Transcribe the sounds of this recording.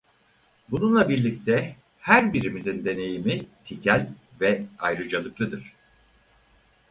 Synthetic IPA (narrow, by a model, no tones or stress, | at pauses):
bununlˠabiɾlʲict̪ʰɛ | hæɾbiɾimizind̪e̞ne̞jimit̪ʰicʰælʲvɛajɾɯd͡ʒalˠɯklˠɯd̪ɯɾ̥